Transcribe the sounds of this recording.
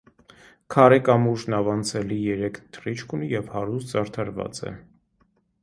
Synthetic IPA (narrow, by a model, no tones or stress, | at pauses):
kʰɑɾɛkɑmuʒnɑvɑnt͡sʰɛlijɛɾɛkʰt̪ʰrit͡ʃʰkʰunijɛvhɑɾust̪t͡sɑɾt̪ʰɑɾvɑ̰t͡sɛ̰